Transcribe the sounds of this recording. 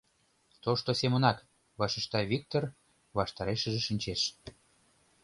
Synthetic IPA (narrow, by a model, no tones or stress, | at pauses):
t̪oʃt̪osemənɑk | βɑʃəʃt̪ɑβik̚t̪or | βɑʃt̪ɑɾeʃə̆ʒeʃinʲt͡ɕeʃ